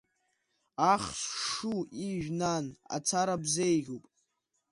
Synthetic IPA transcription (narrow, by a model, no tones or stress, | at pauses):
aχsʂuiʒᶣnana̰t͡sʰaɾabzejʁʲupʼ